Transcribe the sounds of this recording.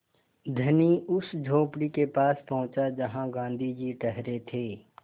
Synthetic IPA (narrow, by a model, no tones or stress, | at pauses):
d̪ʱɐniʊsd͡ʒʱoːpɽikepaːspɐɦʊ̃t͡ʃad͡ʒɐɦãɡãːnd̪ʱid͡ʒiʈəɦɾet̪ʰeː